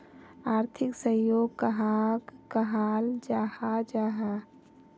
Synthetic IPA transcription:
aːɾt̪ʰɪksəjoːɡ̚kəɦaːɡkəɦaːld͡ʒaːhad͡ʒaːɦa

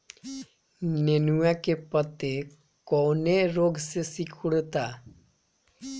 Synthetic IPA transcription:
nenuakepət̪e | kɔneɾoːɡsesikʰuɽt̪a

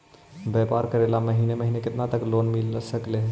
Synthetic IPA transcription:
beːpaːɾkɐɾeːlamɐɦiːnemɐɦiːnekɪt̪nat̪ɐkloːnmɪlsəkleɦ

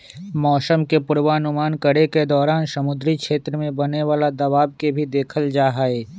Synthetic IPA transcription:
mɔːsəmkepʊɾʋaːnʊmaːnkɐɾeked̪ɔːɾaːnsɐmʊd̪ɾikʃeːt̪ɾəmẽbɐneʋaːlad̪ɐʋaːb̚kebʱid̪eːkʰəld͡ʒaːɦaeː

